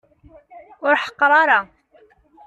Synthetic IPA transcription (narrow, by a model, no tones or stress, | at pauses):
ʊɾħqɑɾˤɑɾˤɑ